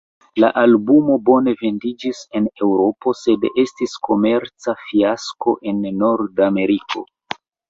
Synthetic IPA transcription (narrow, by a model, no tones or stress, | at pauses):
la̰ʔalbumo̞bo̞ne̞ve̞ndid͡ʒise̞ne̞wɾo̞po̞se̞de̞stisko̞me̞ɾt͡safiasko̞ʔe̞nːo̞ɾdame̞ɾikʰo̞̰